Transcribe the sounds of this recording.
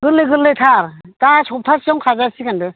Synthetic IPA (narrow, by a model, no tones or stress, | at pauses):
ɡ̥ɯlːɯjɡɯlːɯjtʰaɾtasʰɔp̚tʰasiawŋkʰazasikandɯ